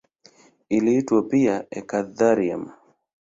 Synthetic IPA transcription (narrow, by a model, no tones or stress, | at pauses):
iliitwapiaɛkaðaɾia̰m